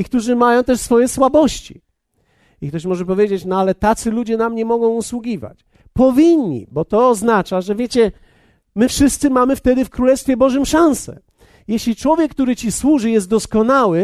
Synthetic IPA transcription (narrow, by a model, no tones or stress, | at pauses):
ikt̪uʐɘmajɔ̃w̃t̪ɛʂsfɔjɛswabɔɕt͡ɕḭ | ik̚t̪ɔɕmɔʐɛp̬ɔvʲjed͡ʑet͡ɕnɔalɛt̪at̪sɘlud͡ʑɛnamɲɛmɔɡɔ̃w̃uswuɡʲiva̰t͡ɕ | pɔvʲiɲɲːḭbɔt̪ɔːznat͡ʂaʐɛvʲjet͡ɕɛ | mɘfʂɘst̪sɘmamɘft̪ɛd̪ɘfkɾulɛst̪fʲjɛbɔʐɨmʂãñsɛ̰ | jɛɕlʲit͡ʂwɔvʲjɛk̚ːt̪uɾɘt͡ɕiswuʐɘjɛzt̪d̪ɔskɔnawɘ